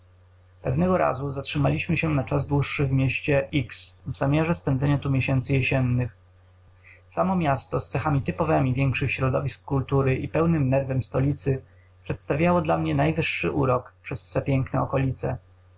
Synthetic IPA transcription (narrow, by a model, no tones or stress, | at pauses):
pɛvnɛɡɔɾa̰zuzatʂɘmalʲiɕmɘɕɛnat͡ʂazd̪wuʂːɘvmʲjɛɕt͡ɕɛʔiksvzamʲjaʐɛspɛnd̪zɛɲat̪umʲjeɕɛnt̪sɘjɛɕɛnːɘx | samɔmʲjast̪ɔst̪sɛxamʲit̪ɘpɔvɛmʲivʲjɛŋkʂɘxɕɾɔd̪ɔvʲiskːult̪uɾɘʔipɛwnɘmnɛɾvɛmst̪ɔlʲit̪sɘ | pʂɛt̪st̪avʲjawɔd̪lamɲɛnajvɘʂːɘ̰ʔuɾɔkpʂɛsvɛpʲjɛŋknɛ̰ɔkɔlʲit̪sɛ̰